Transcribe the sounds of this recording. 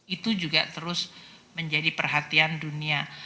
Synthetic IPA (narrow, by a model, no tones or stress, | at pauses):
it̪ud͡ʒuɡa̰t̪əɾʊsməɲd͡ʒadipərɦat̪iandunia